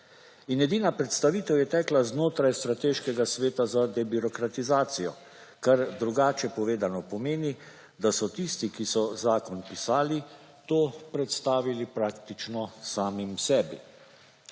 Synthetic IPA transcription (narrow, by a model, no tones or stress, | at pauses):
injɛd̪iːnapɾɛt̪st̪aʋiːt̪ɛwjɛt̪ɛːklaznoːt̪ɾajst̪ɾat̪eːʃkɛɡasʋeːt̪azad̪ɛbiɾɔkɾat̪izaːt̪sijɔ̰ | kaɾd̪ɾuɡaːt͡ʃɛpɔʋeːd̪anɔpɔmeːni | d̪asɔt̪ist̪ikisɔzaːkɔnpisaːli | t̪oːpɾɛt̪st̪aːʋilipɾaːkt̪it͡ʃnɔsaːmimsɛːbḭ